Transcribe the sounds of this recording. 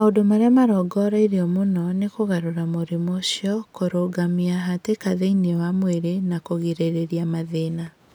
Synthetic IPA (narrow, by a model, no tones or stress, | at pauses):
maodomaɾeamaɾɔɡɔɾaiɾeɔmonɔnekoɣaɾoɾamoɾimoɕjɔkoɾoɡamiaɦatekaðeinewamweɾenakoɣeɾeɾeɾiamaðena